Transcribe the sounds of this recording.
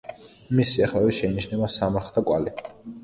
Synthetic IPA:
misiaχaviʃɛiniʃnɛbasamaɾχd̪ʰakʼwa̰li

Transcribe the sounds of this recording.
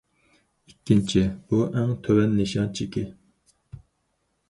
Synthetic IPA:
ikʲːint͡ʃʰibuʔɛŋt̪ʰøwɛnːeʃɑnt͡ʃʰikʲɪ

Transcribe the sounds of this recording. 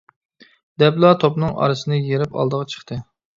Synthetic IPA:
d̪̥ɛblˠɑt̪ʰopnɨŋɑ̰ɾɨsɨnɨjeɾɪpɑ̰lˠd̪əʁɑt͡ʃʰə̥χt̪ʰɨ

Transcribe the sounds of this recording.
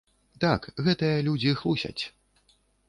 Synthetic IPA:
t̪akɣɛt̪ɨjɐlʲud͡zʲixlˠusʲɐ̰t͡sʲ

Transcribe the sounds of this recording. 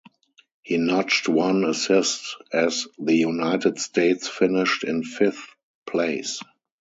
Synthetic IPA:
hiːnɔt͡ʃtwãnəsɪstɛzðəjunaɪtɪdstʰeɪtsfɪnɪʃtɪ̃nfɪθ | pʰleɪs

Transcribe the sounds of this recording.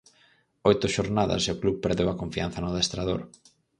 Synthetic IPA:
ojt̪ʊʃoɾnaðɐ̰seʊkluβpeɾðewɐkoɱfian̟θɐnʊðest̪ɾaðo̰ɾ

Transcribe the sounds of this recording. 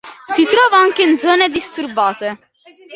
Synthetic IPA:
sit̪ɾɔːvaaŋk̟eind̪zɔːned̪ist̪urbaːt̪e

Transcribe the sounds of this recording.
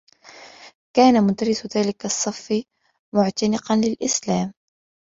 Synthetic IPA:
kaːnamʊd̪aɾɪsðaːlɪkɑsˤːɑfː | mʊʕt̪anɪqɑnlɪlʔɪslaːm

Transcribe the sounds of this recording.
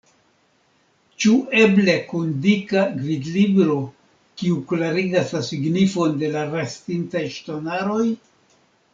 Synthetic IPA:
t͡ʃuʔe̞ble̞kundikaɡɾidlibɾo̞ | kiuklaɾiɡaslasiɡnifo̞nde̞laɾastintajʃtonaɾo̞j

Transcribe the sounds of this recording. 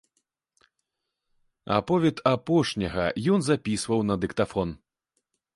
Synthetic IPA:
a̰pɔvʲɛt̪apɔʂnʲɐɣɐ̰jɔnzapʲisvɐwnɐd̪ɨkt̪afɔn

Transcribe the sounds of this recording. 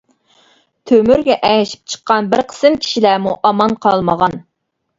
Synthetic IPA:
t̪ʰømyɾɡʲɛʔɛjɪʃi̥p̚t͡ʃʰə̥qʰːɑnbɪɾqʰə̥sɨmkʲʰi̥ʃilæmuʔɑmɑnqʰɑlˠməʁɑn

